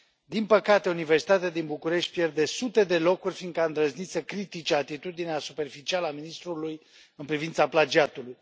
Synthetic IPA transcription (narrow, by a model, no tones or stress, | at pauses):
d̪inpəkat̪e̞ounive̞rsit̪at̪ead̪inbukuɾe̞ʃt̪̚ʲpje̞rd̪e̞sut̪e̞d̪e̞lo̞kurʲfind̪̚kəaɨnd̪ɾəznit̪səkɾit̪it͡ʃeat̪it̪ud̪ineasupe̞rfit͡ʃialəaminist̪ɾuluj | ɨnpɾivint̪saplad͡ʒiat̪uluj